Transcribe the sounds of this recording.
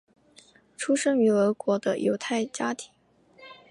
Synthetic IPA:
ʈ͡ʂʰu˥ʂə˥ŋy˧˥ə˧˥kwɔ˧˥d̪ə˧jʔo˧˥ʊt̪ʰa˥˩ɪt͡ɕja˥t̪ʰi̥˧˥ŋ

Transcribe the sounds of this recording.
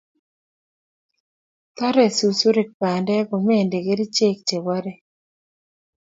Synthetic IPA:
t̪ɔ˦ɾɛ˨su˨su˦ɾi˨k̚pa˨ndɛ˦ko˨me˦˨nde˨ɡe˦ɾi˦t͡ʃe˦k̚t͡ʃe˨wa˦ɾɛ˨

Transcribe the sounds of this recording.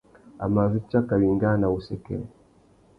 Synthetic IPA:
a̰˨ma˨zi˦t͡ʃa˦ka˨wi˨ŋɡa˦na˨u˨sɛ˨kɛ̰˦

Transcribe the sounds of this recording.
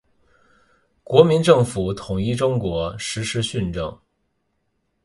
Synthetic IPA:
kwɔ˧˥mi˧˥nʈ͡ʂɤ˥˩ŋfu˨˩˦t̪ʰʊ˨˩ŋi˥˧ʈ͡ʂʊ˥ŋkwɔ˧˥ʂɻ̩˧˥ʂɻ̩˥ɕy˥˧nʈ͡ʂɤ̰˥˩ŋ

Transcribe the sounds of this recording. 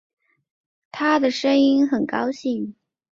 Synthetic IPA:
t̪ʰa˥d̪ə˨ʂɤ˥ŋi˥nxə˨˩nkɑ˥ʊɕi˥˩ŋ

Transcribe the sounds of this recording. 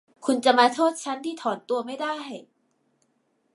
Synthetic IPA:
kʰu˧nt͡ɕa˨ʔmaː˧t̪ʰoː˥˩t̪̚t͡ɕʰa˦˥nt̪ʰiː˥˩t̪ʰɔː˩˦nt̪u˧ɐma˥˩jdaː˥˩j

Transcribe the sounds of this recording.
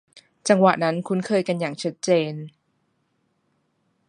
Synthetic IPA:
t͡ɕa˧ŋwa̰˨˩na˦˥nkʰu˦˥nkʰɤː˧jka˧njaː˨˩ŋt͡ɕʰa˦˥t̪̚t͡ɕeː˧n

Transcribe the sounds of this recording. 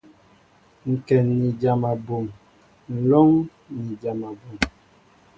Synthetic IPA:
ŋ̩˨kɛ˨nːi˨d͡ʒa˨ma˨bo˨ŋ | n̩˨lo˦ŋ | ni˨d͡ʒa˨ma˨bu˨m

